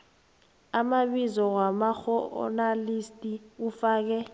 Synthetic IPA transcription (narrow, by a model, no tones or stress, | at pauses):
amaɓizɔwamaxɔ̰nalistʼiufaːk̬ɛ